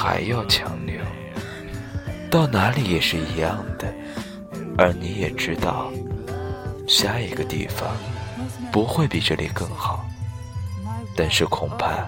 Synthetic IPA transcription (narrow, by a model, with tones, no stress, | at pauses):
xa̰˧˥ɪjɑ˥˩ʊt͡ɕʰjɑ̰˧˥ŋljɑ˥˩ʊ | t̪ɑ˥˩ʊna˧˥li˧˥jɛ˨˩ʂɻ̩˥˩i˧˥jɑ˥˩ŋd̪̥ə˩ | ə˞˧˥ni˧˥jɛ˨˩ʈ͡ʂɻ̩˥t̪ɑ̰˥˩ʊ | ɕja˥˩i˧˥ɡə˧t̪ḭ˥˩fɑ̰˩ŋpu˧˥xwe˥˩ɪpi˨˩ʈ͡ʂɤ̰˥˩lʔḭ˨˩kɤ˥˩ŋxɑ˨˩˦ʊ | t̪a˥˧nʂɻ̩˥˩kʰʊ˨˩ŋpʰa̰˥˧